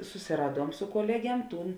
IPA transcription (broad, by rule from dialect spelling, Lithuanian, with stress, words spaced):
sʊsʲɪˈrɑːˌduɔm sʊ koːˈlʲæːˌɡʲiɛm ˈtuːn